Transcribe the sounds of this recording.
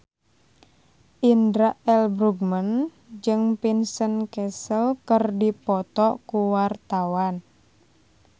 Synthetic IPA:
ʔindɾaʔɛlbɾuɡmən | d͡ʒɨŋpinsənkɛsəlkərdipɔt̪ɔkuwart̪awan

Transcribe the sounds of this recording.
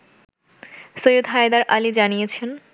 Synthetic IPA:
sojud̪ɦajd̪aɾʔalid͡ʑanijet͡ɕʰen

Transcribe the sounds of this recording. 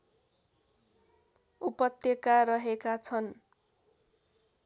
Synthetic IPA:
upʌt̪jʌkarʌɦekat͡sʰʌn

